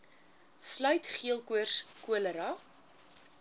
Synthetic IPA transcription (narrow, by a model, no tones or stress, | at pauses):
slœɥtχiəlˠkuərskuələɾɐ